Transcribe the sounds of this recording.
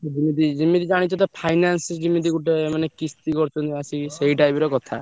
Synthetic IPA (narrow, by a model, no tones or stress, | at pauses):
d͡ʒimid̪id͡ʒimid̪id͡ʒaɽ̃it͡ʃʰɔt̪̬ɔpʰajnansd͡ʒimid̪̬iɡuʈemanekist̪ikɔɾt͡ʃʰɔnt̪iasiseɦiʈajbiɾɔkɔt̪ʰa̰